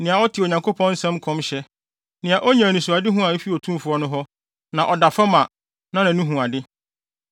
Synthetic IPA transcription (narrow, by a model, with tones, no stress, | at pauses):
nɪ̃˨a˨ɔ˦tʰɪ˨o˨ɲã˨ŋkʰo˦pʰɔ̃˦n̩˦sɛ̃˦mkʰɔ̃˦mɕɛ˦ | nɪ̃˨a˨ʔɔ˦ɲã˨nĩ˨su˨a˨dɪ˦ɦũ˦a˨i˦fi˦ɔ˨tʰũ˦m˦fʊ˨ɔ˦nʊ̃˦ɦɔ˦ | nã˨ʔɔ˨da˨fa˦mã˨ | nã˦nã˨nũ˦ɦũ˨a˨dɪ˦